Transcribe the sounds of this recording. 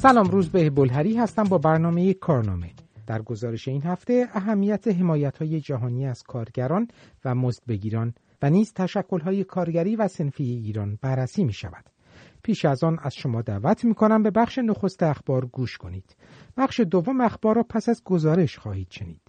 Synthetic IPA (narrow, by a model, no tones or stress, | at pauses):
sælɒːmɾuːzbehbolɦæɾiːɦæst̪æmbɒːbæɾnɒːme̞jekʰɒːɾnɒ̰ːme̞d̪̥æɾɡo̞zɒːɾe̞ʃe̞iːnhæft̪e̞æɦæmːijæt̪ʰeɦe̞mɒːjæt̪ʰhɒːje̞d͡ʒæɦɒːniːæz̥kʰɒːɾɟæɾɒːnvæmozd̪̥̚be̞ɟiːɾɒːn | væniːzt̪ʰæʃækʰːo̞lɦɒːje̞kʰɒːɾɟæɾiːvæse̞nfijeiːɾɒːnbæɾːæsiːmiːʃæ̰væd̪̥ | pʰiːʃæzɒːnæz̥ʃo̞mɒːd̪æ̰ːvæt̪ʰmiːkʰo̞næmbe̞bæχʃe̞noxo̞st̪eæxb̥ɒːɾɡuːʃkʰo̞niːd̪̥ | b̥æχʃe̞d̪ovːo̞meæxbɒːɾːɒːpʰæsæzɡo̞zɒːɾe̞ʃxɒːhiːd̪̥ʃenḭːd̪̥